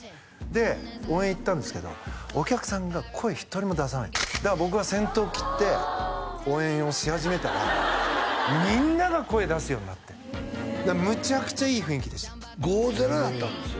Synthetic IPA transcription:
d̪e̞oːẽit̪ːãnd̪e̞sɨ̥ke̞d̪o̰okʲakɯ̟̥sãŋɡakʰo̞e̞çi̥t̪o̞ɾʲimod̪as̬ana̰id̪abo̞k̬ɯ̟βasẽ̞nt̪o̞ːkʲi̥t̪ːe̞ | oːẽ̞o̞ɕihaʑime̞t̪aɾa̰ | mʲĩnːaɡako̞e̞d̪asɨjo̞ɲʲinat̪ːe̞d̪amɯ̟t͡ɕakɯ̟̥t͡ɕaiːɸɯ̟ĩŋkʲid̪e̞ɕt̪ḁ | ɡoːzeɾad̪at̪ːãnd̪esɨo

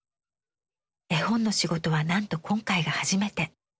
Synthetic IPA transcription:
e̞hõ̞nːo̞ɕiɡo̞t̪o̞βanãnt̪o̞kʰõ̞ŋkaiɡahaʑime̞t̪e̞

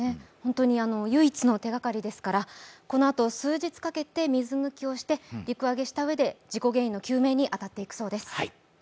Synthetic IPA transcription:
ehõ̞nt̪o̞ɲ̟iano̞jɯ̟it͡sɨno̞t̪e̞ɡakaɾʲid̪e̞sɨ̥kaɾako̞no̞at̪o̞sɨːʑit͡sɨ̥kake̞t̪e̞mʲizɨmɯ̟kʲio̞ɕi̥t̪e̞ɾʲikɯ̟aɡe̞ɕi̥t̪aɯ̟e̞d̪e̞d͡ʑiko̞ɡe̞ːĩnːo̞kʲɨːme̞ːɲ̟iʔat̪at̪ːe̞ikɯ̟̥so̞ːd̪e̞sɨ̥

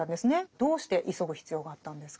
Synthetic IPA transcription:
ãnd̪e̞sɨned̪̥o̞ːɕi̥t̪e̞ʔiso̞ɡɯ̟çi̥t͡sɨjo̞ːɡaat̪ːãnd̪esɨ̥k

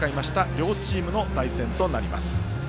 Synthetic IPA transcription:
aimaɕi̥t̪aɾʲo̞ːt͡ɕiːmɯ̟no̞t̪aisẽ̞nt̪o̞naɾʲima̰sɨ̥

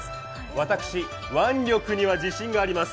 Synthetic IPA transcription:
βat̪akɯ̟̥ɕi | βãnɾʲo̞kɯ̟ɲ̟iβad͡ʑiɕĩŋɡaːɾʲimasɨ̥

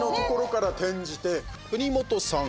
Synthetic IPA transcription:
no̞ko̞ko̞ɾo̞kaɾat̪ẽ̞ɲ̟d͡ʑit̪e̞kɯ̟ɲ̟imo̞t̪o̞sã

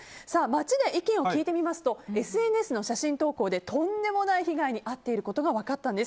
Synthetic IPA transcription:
saːmat͡ɕid̪e̞ʔikʲẽɰ̃o̞kʲiːt̪e̞mʲimasɨ̥t̪o̞e̞sɨe̞nɯe̞sɨno̞ɕaɕĩnt̪o̞ːko̞ːd̪e̞t̪ʰõ̞nd̪e̞mo̞naiçiɡaiɲ̟iʔat̪ːe̞iɾɯ̟ko̞t̪o̞ɡaβakat̪ːãnd̪e̞s

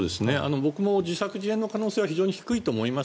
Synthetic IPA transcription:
d̪e̞sɨne̞a̰no̞bo̞kɯ̟mo̞d͡ʑisakɯ̟ʑiẽ̞nːo̞kanoːseːβaçiʑo̞ːɲiçi̥kɯ̟it̪o̞ːmo̞ima

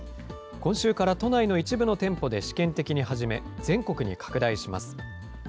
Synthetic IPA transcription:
kõ̞ɰ̃ɕɨːkaɾat̪o̞naino̞it͡ɕibɯ̟no̞t̪ẽ̞mpo̞d̪e̞ɕi̥kẽ̞nt̪e̞kʲiɲ̟iɦaʑime̞̰d͡zẽ̞ŋko̞kɯ̟ɲ̟ḭkʰḁkɯ̟d̪aiɕima̰sɨ̥

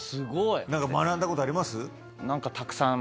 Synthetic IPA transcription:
sɨɡoinãŋkamanãnd̪ako̞t̪oaɾʲimasɨ | nãŋkat̪ʰakɯ̟̥sã

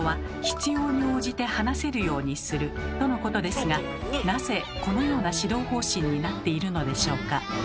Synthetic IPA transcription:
βa | çi̥t͡sɨjo̞ːɲ̟io̞ːʑit̪e̞hanase̞ɾɯ̟jo̞ːɲ̟isɨɾɯ̟t̪o̞no̞ko̞t̪o̞d̪e̞sɨɡa | naze̞ | ko̞no̞jo̞ːnaɕid̪o̞ːho̞ːɕĩɲ̟ːinat̪ːe̞iɾɯ̟no̞d̪e̞ɕo̞ːka

